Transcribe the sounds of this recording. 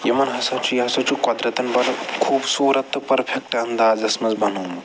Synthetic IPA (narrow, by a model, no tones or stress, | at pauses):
jimɐnɦɐsat͡ʃujɦɐsat͡ʃukɔd̪ɾɐt̪ɐnbɐlkʰuːbsuːɾɐt̪ːɐpɐɾfʰek̚ʈɐnd̪aːzɐsmɐzbɐnuːm